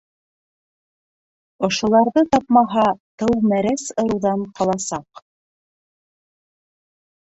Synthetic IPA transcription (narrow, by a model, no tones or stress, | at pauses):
ŏʃŏlˠɑɾðɤt̪ɑpmɑɦɑt̪ɤwmæɾæsŏɾuwðɑnqɑlˠɑsɑq